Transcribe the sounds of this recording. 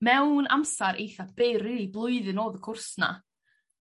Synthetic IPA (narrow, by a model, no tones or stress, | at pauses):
mɛwna̰msaɾʔḛjθab̥ejrɪiblˠʊɨðɨnoːðəkʰʊrsna̰